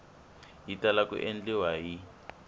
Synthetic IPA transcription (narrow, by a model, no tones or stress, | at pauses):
ɦitalakṵʔend͡ɮɛwaɦi